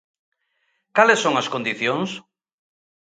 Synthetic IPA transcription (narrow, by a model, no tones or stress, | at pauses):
kalesːoŋɐskõnd̪iθjoŋs